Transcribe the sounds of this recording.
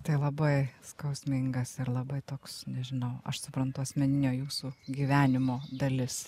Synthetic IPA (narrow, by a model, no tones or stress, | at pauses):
t̪ɐɪlˠɐbɐɪskɐʊsʲmʲɪŋɡɐsɪɾlˠɐbɐɪt̪oːksnʲɛʒʲɪnɐʊɐ̰ʃsʊpɾɐnt̪ʊɐsʲmʲɛnʲɪnʲoːjuːsuɡʲiːʋʲæːnʲɪmoːd̪ɐlʲɪs